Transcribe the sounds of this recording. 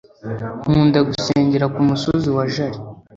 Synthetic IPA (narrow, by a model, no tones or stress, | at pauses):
huːndaɡuseːɲɟeɾakumusoziwaʒaɾi